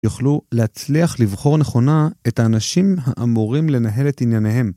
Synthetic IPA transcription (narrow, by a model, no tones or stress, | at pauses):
juχlulehat͡sliaχlivχo̞ʁne̞χo̞nae̞thaːnaʃimɦaʔamuʁimle̞naɦe̞le̞tinjanehe̞m